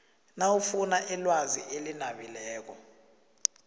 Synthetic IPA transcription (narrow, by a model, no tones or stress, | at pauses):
nawufunaʔɛlwazḭʔelinaɓilɛːk̬ɔ